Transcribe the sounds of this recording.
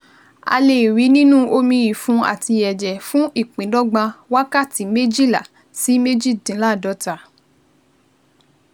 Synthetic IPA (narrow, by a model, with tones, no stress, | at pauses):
a̰˧le˨wi˨˦nĩ˦nũ˦ʔo˧mĩ˧ji˨fũ˨˦a̰˨ti˧ɛ˨d͡ʒɛ˨fũ˦ʔi˦˨k͡pĩ˨˦dɔ˦ɡ͡bã˧wa˦ka˦˨ti˨˦me˦d͡ʒi˦˨la̰˨ | si˨˦me˦d͡ʒi˦˨dĩ˨˦la˦˨dɔ˨˦ta˧˨